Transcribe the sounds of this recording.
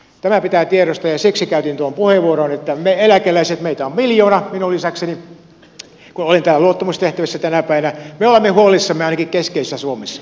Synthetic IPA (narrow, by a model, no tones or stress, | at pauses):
t̪æmæpit̪æːt̪ieɾost̪ɑjɑsiksikæyt̪int̪uompuheʋʋuoronet̪ːæmeelækelæiset̪meit̪æommiljoːnɑminulːisækseni | kunolint̪æːlæluot̪ːɑmust̪eht̪æʋisːæt̪ænæpæˑiʋænæmeolemːehuolisːɑmːeɑˑinɑkikkeskeisesːæsuomesːɑ̥